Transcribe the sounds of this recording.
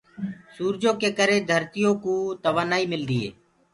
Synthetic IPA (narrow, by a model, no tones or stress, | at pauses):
suːɾd͡ʒõːkeːkəɾeːd̪ʱəɾt̪ɪjõːkuːt̪əʋaːnaːiːmɪld̪iːḛː